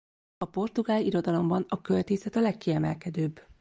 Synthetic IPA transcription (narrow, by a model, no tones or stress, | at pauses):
ɒpo̞rt̪uɡaːliiɾo̞d̪ɒlo̞mbɒnɒkølt̪eːsɛt̪ɒlɛkːiɛmɛ̰lkɛd̪øːbː